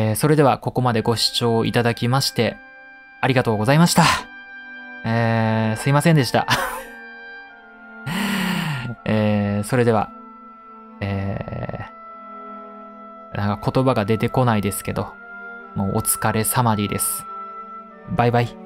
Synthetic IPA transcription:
eːso̞ɾe̞d̪e̞βako̞ko̞mad̪e̞ɡo̞ɕi̥t͡ɕo̞ːḭt̪ad̪akʲimaɕi̥t̪e̞ | aɾʲiɡat̪o̞ːɡo̞zaimaɕi̥t̪a | eːsɨimasẽ̞nd̪e̞ɕi̥t̪a̰ | eːso̞ɾe̞d̪e̞β̞a̰ | eː | nã̰ŋkako̞t̪o̞baɡad̪e̞t̪e̞ko̞naid̪e̞sɨ̥ke̞d̪o̞ | moːʔot͡sɨ̥kaɾe̞samaɾʲid̪e̞sɨ̥ | baibai

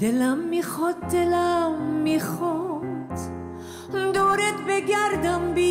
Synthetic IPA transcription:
d̪elamːiχɔt̪̚d̪elamːiχɔt̪ | md̪ɔɾɛt̪bɛɡaɾd̪ambi

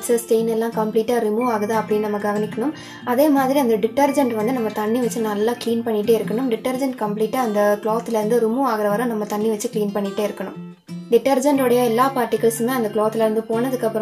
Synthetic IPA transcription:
ksɐsʈeɪnɛlːãːkɐmpliːʈːaːɾɪmuːaːɣɐðãːɐpːɐɽinɐmːɐɡɐʋɐnɪkʲːɐɳʊm | ʔɐðeːmaːðɪɾiɐnd̪ɐɖɪʈːɐɾd͡ʒɐɳɖʋɐnd̪ɯnɐmːɐt̪ɐɳːiʋɐt͡ʃːɯnɐlːãːkliːnpɐɳːɪʈːeːɪɾɯkːɐɳɯmɖɪʈːɐɾd͡ʒɐɳʈkɐmpliːʈːaːɐnd̪ɐkɭoːɣɐt̪ːɪlɐɾɯnd̪ɯɾɪmuaːɣɐɾɐʋɐɾɐ̃nɐmːɐt̪ɐɳːiʋɐt͡ʃːɯkliːnpɐɳːɪʈːeːɪɾɯkːɐɳʊm | ɖɪʈːɐɾd͡ʒɐɳʈɔɽɐjɐɛlːaːpaːʈːɪkːɐɭsmeːɐnd̪ɐkɭoːɣɐt̪ːɪlɐɪɾɯnd̪ɯpoːɳɐðɯkːɐpːɯɾɐ̃

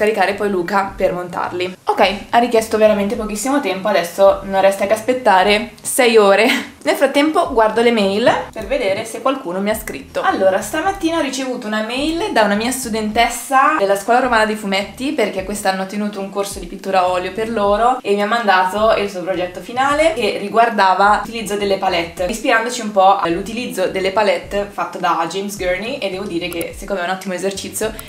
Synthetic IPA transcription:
kaɾikaːɾepɔjluːkapermont̪a̰rliokɛjarːikjɛst̪oveɾament̪epokisːimot̪ɛmpoad̪ɛsːononrːɛst̪akeaspet̪ːaːɾesɛjoːɾenelfɾat̪ːɛmpoɡward̪olemɛjlperved̪eːɾesekːwalkuːnomiaskɾḭt̪ːoalːoːɾast̪amat̪ːiːnaɔrit͡ʃevuːt̪ounamɛjld̪aunamiːast̪ud̪ent̪ɛsːad̪elːaskwɔːlaɾomaːnad̪ejfumɛt̪ːiperkekːwest̪anːoɔt̪ːenuːt̪ouŋkorsod̪ipit̪ːuːɾaɔːljoperloːɾoemːiamːand̪aːt̪oilsuopɾod͡ʒɛt̪ːofinaːlek̟erːiɡward̪aːvaut̪ilid̪zːod̪elːepalɛt̪ːispiɾand̪ot͡ʃiumpɔʔalut̪ilid̪zːod̪elːepalɛt̪ːfat̪ːod̪ad͡ʒejmsɡørniʔed̪ːɛːvod̪iːɾekesikːoːmeɛunat̪ːimoezert͡ʃit̪sjo

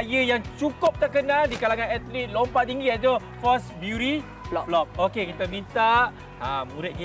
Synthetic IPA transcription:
jəjaŋt͡ʃukʊp̚t̪əkənãldikalaŋãnɛt̪lilompat̪̚iŋɡiɛt̪o | fɔsbjuɾi | lɔp̚lɔp̚okekit̪amĩnt̪aʔ | amuɾɪt̪̚ɡi

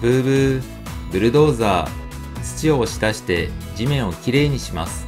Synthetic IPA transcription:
bɯ̟ːbɯ̟ | bɯ̟ɾɯ̟d̪o̞ːzaː | t͡sɨ̥t͡ɕio̞ːɕi̥d̪aɕi̥t̪e̞d͡ʑimẽ̞ɰ̃o̞kʲiɾe̞ːɲ̟iɕimasɨ̥

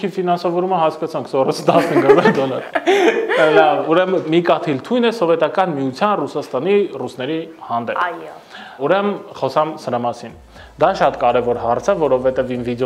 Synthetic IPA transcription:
ifinɑnsɑvɔɾuməɦɑskɑt͡sʰɑŋkʰsɔɾəsʰt̪ɑsniɡəɾɛnd̪ɔlɑ̰ɾ | lɑvuɾɛməmikɑt̪ʰilt̪ʰujnɛsɔvɛt̪ɑkɑnmiut͡sʰjɑnrusɑst̪ɑnirusnɛɾihɑnd̪ɛp | uɾɛmχɔsɑmsəɾɑmɑsin | d̪ɑʃɑt̪kɑɾɛvɔɾhɑɾt͡sʰəvɔɾɔvɛt̪ɛvimvid̪ɔ

